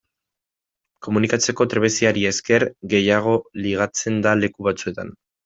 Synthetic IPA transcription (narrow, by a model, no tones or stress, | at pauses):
ko̞munikat͡se̞ko̞t̪ɾe̞βesiaɾie̞ske̞ɾɡe̞jaɣ̞o̞liɣ̞at͡se̞nd̪ale̞kuβat͡sue̞t̪an